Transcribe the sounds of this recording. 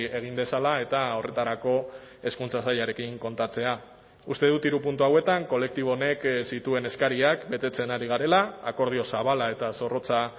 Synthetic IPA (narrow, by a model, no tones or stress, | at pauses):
e̞ɣ̞ind̪e̞salae̞t̪ao̞re̞t̪aɾako̞e̞skunt͡sasaʎaɾe̞kiŋko̞nt̪at͡se̞a | ust̪e̞ð̞ut̪iɾupunt̪uawe̞t̪aŋko̞le̞k̚t̪iβ̞o̞ne̞ksit̪ue̞ne̞skaɾiakbe̞t̪e̞t͡se̞naɾiɣ̞aɾe̞laːko̞ɾð̞io̞saβalae̞t̪aso̞ro̞t͡sa